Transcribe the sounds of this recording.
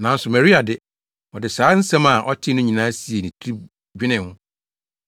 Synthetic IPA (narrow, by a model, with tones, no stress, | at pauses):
nã˨˦n̩˦sʊ˨mɛ˨ɾi˦a˨dɪ˦ | ɔ˨dɪ˨saː˨˦n̩˦sã˦ma˨ʔɔ˦tʰɪ˦nʊ̃˦ɲĩ˨nãː˦si˦e˨nĩ˨tʰi˦ɾi˦ | d͡ʑᶣɪ˦nɪ̃˨hʊ̃˦